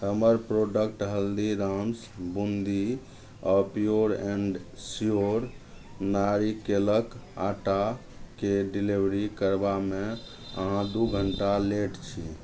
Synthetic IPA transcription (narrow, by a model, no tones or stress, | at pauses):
həməɾpɾoɖəkʈɦəld̪iɾams | bund̪i | əpioɾɛ̃ɳɖsijoɾ | naɾikeləka̰ʈakeɖilibɾikəɾbame | ə̰ɦãd̪uɡʱəɳʈaleʈt͡ʃʰi